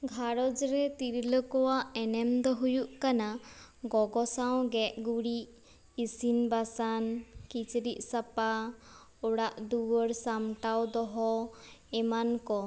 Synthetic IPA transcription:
ɡʱaɾɔd͡ʒɾɛt̪iɾləkɔwaʔɛnɛmd̪ɔɦujuʔkanaɡɔɡɔsaw̃ɡɛʔɡuɽiʔ | isinbasankit͡ʃɾiʔ̚ˀsapa | ɔɽaʔd̪uwɔɾsamʈawd̪ɔɦɔɛmankɔ

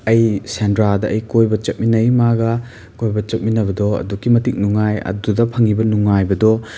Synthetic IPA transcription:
ɐjsendɾadɐʔɐjkojbɐt͡ʃɐt̚minɐjmaɡɐ | kojbɐt͡ʃɐt̚minɐbɐdɔɐ̰dukːimɐtik̚nuŋajɐ̰dudɐpʰɐŋibɐnuŋajbɐdɔ

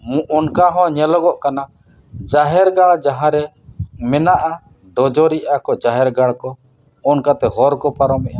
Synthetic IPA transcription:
mũʔɔnkaɦɔ̃ɲɛlɔɡɔʔkana | d͡ʒaɦɛɾɡaɭd͡ʒaɦãɾɛ | mɛnaʔa | ɖɔd͡ʒɔɾiʔakɔd͡ʒaɦɛɾɡaɽkɔ | ɔnkat̪ɛɦɔɾkɔpaɾɔmɛʔa

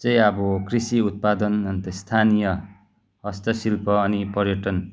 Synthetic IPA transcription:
t͡sʌj̃ʌbʌkrisiut̪̚pad̪ʌnʌnt̪ʌst̪ʰanijʌ | hʌst̪ʌsilpʌːnipʌɾjʌʈʌn

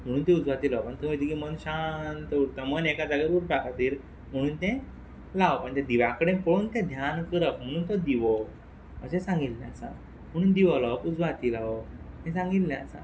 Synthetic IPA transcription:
m̤əɽ̃uːnt̪ɛ̃ud͡zʋat̪iːlaʋpəɳt̪əmjt̪əkimənɕant̪uɾt̪amənekad͡zaɡəɾuɾpakat̪iːɾ | m̤əɽ̃uːnt̪ɛ̃ | laʋpəɳt̪ɛ̃d̪iʋãkəɽẽpoɽuːnt̪ɛ̃d̪ʱjankəɾəkm̤əɽ̃uːnt̪ɔd̪iʋɔ | ə̰ɕẽsãŋɡilːãsã | m̤əɽ̃uːnd̪iʋɔlaʋəkud͡zʋat̪ilaʋo | t̪ɛ̃sãŋɡilːãt͡sã̰

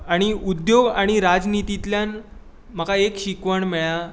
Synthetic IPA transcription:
aɽ̃iud̪joɡaɽ̃iɾad͡znit̪it̪ljan | m̤əkaekɕikʋəɳmɛɭa

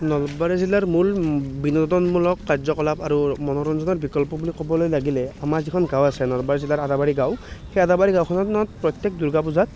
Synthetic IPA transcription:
nɔlbaɹizilaɹmulbinɔdɔnmulɔkːaɹzɔkɔlapaɹumɔnɔɹɔnzɔnɔɹbikɔlpɔbulikɔbɔlojlaɡilɛamaɹzikʰɔnɡawasɛnɔlɔbaɹizilaɹadabaɹiɡawxejadabaɹiɡawkʰɔnɔtnɔt̚pɹɔt̪jɛk̚duɹɡapuzat̚

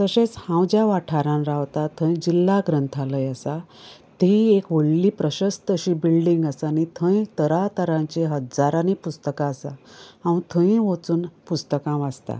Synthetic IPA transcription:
t̪əɕẽt͡shãwd͡ʑjaʋaʈʰaɾãnɾaʋt̪at̪ʰə̃jd͡ʑilːaɡɾənt̪ʰaləjasa | t̪iekʋoɽliːpɾəɕəst̪əɕiːbilɖiŋɡəsanit̪ʰə̃jt̪əɾat̪əɾãɲt͡ɕeɦəd͡zaɾanipust̪əkaːsaaw̃ĩt̪ʰə̃ĩʋot͡suːnpust̪əkãʋad͡zt̪a̰

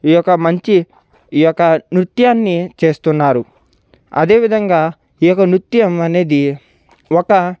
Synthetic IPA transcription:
ijɔkːɐmɐɲt͡ʃi | jɔkːɐnɾut̪jaːnːit͡ʃe̞ːst̪unːaːɾu | ɐ̰d̪e̞ːʋid̪ʱɐŋɡaː | ijɔkːɐnɾut̪jɐmɐne̞ːd̪i | ɔkɐ

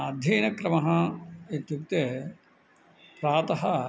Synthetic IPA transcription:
ɐd̪ʱjeːnɐkɾɐmɐɦɐet̪juk̚t̪e | pɾaːt̪ɐɦɐ

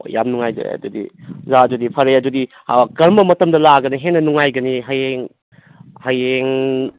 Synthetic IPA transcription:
o̰jja̰mnuŋajzɐ̰ɐ̰dudḭzadudipʰɐɾejadudi | kɐɾmbɐmɐtɐmdɐlaɡɐniɦenːɐnuŋajɡɐniɦɐjeŋ | hɐjeŋ

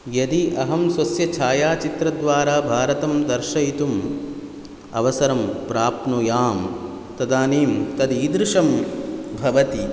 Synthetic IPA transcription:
jɐd̪iʔɐɦɐmswɐsjɐt͡ʃʰaːjaːt͡ʃit̪ɾɐd̪ʋaːɾaːbʱaːɾɐt̪ɐmd̪ɐɾʃɐjit̪um | ɐ̰ʋɐsɐɾɐmpɾaːpnujaːm | t̪ɐd̪aːniːmt̪ɐd̪iːd̪ɾɪʂɐmbʱɐʋɐt̪i

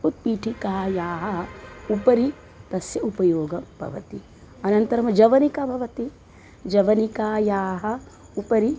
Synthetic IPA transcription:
ut̪̚piːʈʰikaːjaːɦɐupɐɾi | t̪ɐsjɐupɐjoːɡɐbʱɐ̰ʋɐt̪i | ɐnɐnt̪ɐɾɐmɐd͡ʒɐʋɐnikabʱɐʋɐt̪i | d͡ʒɐʋɐnikaːjaːɦɐ | upɐɾi

